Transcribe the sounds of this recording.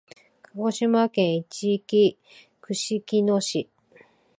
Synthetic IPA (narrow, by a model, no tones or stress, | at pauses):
kʰaɡo̞ɕimakẽ̞ɰ̃it͡ɕiːkʲi | kɯ̟ɕikʲinoɕi